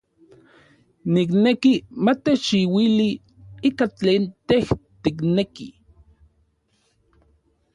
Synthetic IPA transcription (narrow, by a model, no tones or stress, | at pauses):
niknekimat̪et͡ʃiwili | ikat͡ɬeːnt̪eht̪ikneki